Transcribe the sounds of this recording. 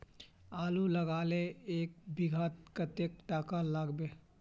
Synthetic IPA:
aːluləɡaːleeːk̚bɪɡʱat̪̚kət̪ek̚ʈaːkalaːɡbeː

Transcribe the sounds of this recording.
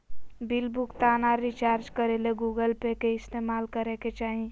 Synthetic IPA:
bilbukt̪anaɾit͡ʃaɾd͡ʒkəɾeleɡuɡəlpekeɪst̪emalkəɾɛket͡ʃaːɦĩ

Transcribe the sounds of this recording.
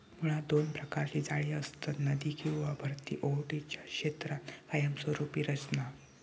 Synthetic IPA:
muɽ̃ad̪onpɾəkaɾt͡ɕiːd͡zaɭiːəst̪ənəd̪iːkĩw̃ʋabʱəɾt̪ḭːʔowʈit͡ɕjaɕet̪ɾat̪kajəmsəɾupiːɾət͡ɕna

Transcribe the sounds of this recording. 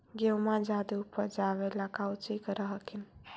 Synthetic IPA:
ɡewmãd͡ʒad̪iupːəɾd͡ʒaʋeləkawt͡ʃikɾəɦəkʰin

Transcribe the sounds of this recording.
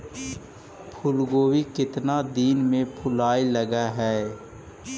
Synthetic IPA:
pʰʊlɡoːwikɪt̪nad̪iːnmẽpʰʊlaːiləɡaɦɛː

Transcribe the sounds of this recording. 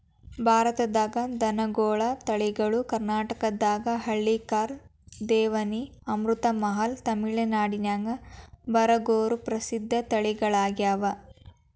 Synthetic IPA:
bʱaːɾɐt̪ɐd̪aːɡɐd̪ɐnɐɡoːɭɐt̪ɐɭiɡɐɭukɐɾnaːʈɐkɐd̪ːaːɡɐɦɐɭːikaːɾ | d̪ɛːʋɐni | ɐmɾut̪ɐmɐɦɐlt̪ɐmiɭɐnaːɽinaːŋɡɐbɐɾɐɡoːɾupɾɐsid̪ʱːɐt̪ɐɭiɡɐɭaːɡjaːʋɐ

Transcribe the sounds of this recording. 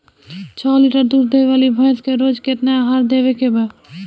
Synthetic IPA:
t͡ʃʰɔːliʈəɾd̪uːɾd̪eʋaːlibʱajskeɾoːd͡ʒket̪neaɦaːɾd̪eːʋekebə

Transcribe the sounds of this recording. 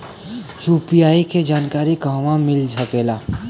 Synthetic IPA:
t͡ʃuːpiaːiked͡ʒaːnkaːɾikaːʋãmɪld͡ʒʱɐpeːlaː

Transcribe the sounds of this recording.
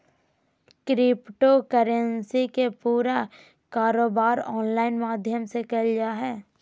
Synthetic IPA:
kɾɪpʈokəɾənsikepuːɾa | kaːɾoːbaːɾɔːnlaːɪnmaːd̪ʱjəmsekəld͡ʒaːɦɛː

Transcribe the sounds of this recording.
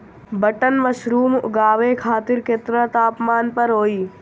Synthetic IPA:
bəʈənmɐʃɾuːmʊ̰ɡaːʋeːkʰaːt̪ɪɾket̪ɾə̃t̪aːpmaːnpɐɾɦoːiː

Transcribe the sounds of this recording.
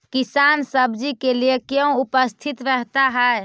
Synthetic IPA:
kisansəbd͡ʒikeliekjəũupəst̪ʰit̪ɾəɦt̪aɦəe

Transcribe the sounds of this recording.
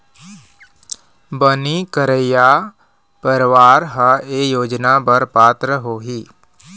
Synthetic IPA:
bənikəɾəjaː | pəɾʋaːɾɦəeːjoːd͡ʒnapɐɾpaːt̪ɾəɦoːɦiː

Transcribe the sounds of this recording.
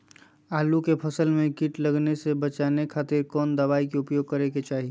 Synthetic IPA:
aːlukepʰɐsəlmẽkɪʈlɐɡnesebɐt͡ʃaːnekʰaːt̪ɪɾkɔːnd̪ɐʋaːikeʊpjoːɡ̚kɐɾeket͡ʃaːɦi

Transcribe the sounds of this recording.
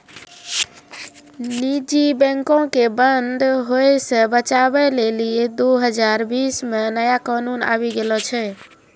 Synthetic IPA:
nid͡ʒibɛ̃ŋkõkebənd̪ʱɦojsə̃bət͡ʃabɛlelijed̪oɦəd͡ʒaɾbismenəjakanuna̰βiɡelɔt͡ʃʰɛ

